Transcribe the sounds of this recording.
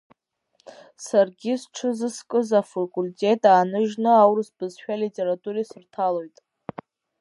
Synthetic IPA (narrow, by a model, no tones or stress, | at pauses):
sarɡʲizʈ͡ʂʰɨzɨskʼɨzafakʼulʲtʲʼe̞tʼaːnɨʒnɨawɾɨsb̥ɨzʃᶣalitʲʼe̞ɾatʼuɾesɨrtʰalo̞jtʼ